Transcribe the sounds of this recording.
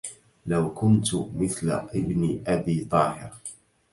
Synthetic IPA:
lawkʊnt̪mɪθla̰ʔɪbnʔabiːt̪ˤɑːhɪ̰ɾ

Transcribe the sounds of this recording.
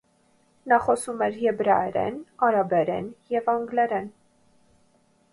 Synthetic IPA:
nɑχɔsumɛɾjɛbɾɑɛɾɛ̰nɑɾɑbɛɾɛ̰njɛvɑŋɡlɛɾɛn

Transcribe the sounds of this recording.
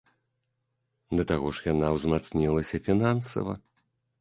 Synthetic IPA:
d̪ɐt̪aɣɔʂjanawzmat̪snʲilˠɐsʲɐfʲinansɐ̰vɐ̰

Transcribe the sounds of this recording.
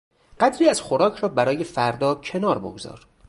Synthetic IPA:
ɢæd̪ɾiːæz̥xoɾɒːcʰɾɒːbæɾɒːje̞fæɾd̪ɒːcʰe̞nɒːɾbo̰ɡozɒ̰ːɾ

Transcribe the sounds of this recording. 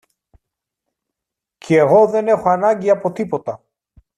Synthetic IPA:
cʰeːɣo̞ðe̞ne̞xo̞ɐnɐɲɟiɐpo̞t̪ipo̞t̪ɐ

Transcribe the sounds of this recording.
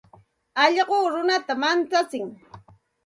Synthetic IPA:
ɑʎɢoːɾʊnat̪amant͡sat͡sɪŋ

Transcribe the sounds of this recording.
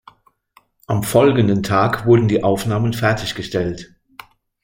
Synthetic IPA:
ʔamfɔlɡən̩dən̩tʰaːkvʊɐdn̩diːʔaʊfnaːmənfɛɐtʰɪçɡ̥əʃtɛlt

